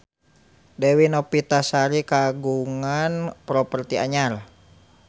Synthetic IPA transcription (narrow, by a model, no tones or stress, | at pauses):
dɛwinɔpit̪asaɾikaɡuŋanpɾɔpərt̪ia̰ɲal